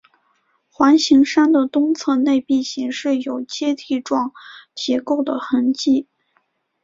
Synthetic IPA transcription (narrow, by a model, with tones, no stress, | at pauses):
xwa˧˥nɕi˧˥ŋʂa˥nd̪ə˨t̪ʊ˥ŋt͡sʰɤ˥˧ne˥˧ɪpi˥˩ɕi˧˥ŋʂɻ̩˥˩jo˨˩ʊt͡ɕjɛ˥t̪ʰi˥˧ʈ͡ʂwɑ˥˩ŋt͡ɕjɛ˧˥ko˥˩ʊd̪ə˩xə˧˥nt͡ɕi˥˩